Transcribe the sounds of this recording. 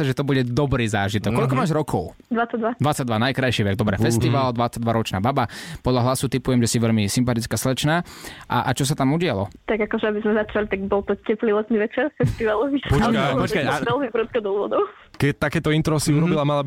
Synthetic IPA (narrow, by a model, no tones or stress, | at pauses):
aʒɛt̪ɔbuɟɛd̪ɔbɾiːzaːʒit̪ɔkkːɔlkɔmaːʒɾɔkʰɔʊ | d̪ʋat͡saɟd̪ʋad̪ʋat͡saɟd̪ʋanajkɾajʃiʋɛɡd̪ɔbɾɛfɛst̪iʋald̪ʋat͡saɟ̚d̪ʋaɾɔt͡ʃnaːbabapɔd̪ʎaɦlasut̪ipujɛmʒɛsiʋɛʎmisimpat̪it͡skaslɛt͡ʃnaːʔa̰ʔat͡ʃɔs̬at̪amuɟɪalɔ̰t̪aɡakɔʒɛabizmɛzat͡ʃalit̪aɡbɔlˠt̪ɔcɛplilɛt̪niʋɛt͡ʃɛɾfɛst̪iʋalɔʋipɔt͡ʃkaɔt͡ʃkaaʋɛlmibɾut̪̚kɔd̪ɔlʋɔd̪ɔʊ | kɛt̪akɛːt̪ɔint̪ɾɔsiuɾɔbilamalab